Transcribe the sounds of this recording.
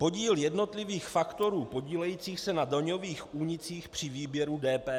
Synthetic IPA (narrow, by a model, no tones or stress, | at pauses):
po̞ɟiːljɛdno̞t̪lɪviːxfakt̪o̞ɾuːpo̞ɟiːlɛjiːt͡siːxsɛnadlɲo̞viːxʔuːɲɪt͡siːxpr̥ɪviːbjɛɾudɛːpɛː